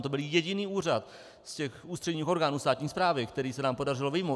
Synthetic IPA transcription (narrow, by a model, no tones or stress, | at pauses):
t̪o̞bɪljɛɟɪniːʔuːr̝at̪ | scɛxʔuːst̪r̥ɛɲiːxo̞ɾɡaːnuːst̪aːt̪ɲiːspɾaːvɪkt̪ɛɾiːsɛnaːmpo̞dar̝ɪlovɪjmo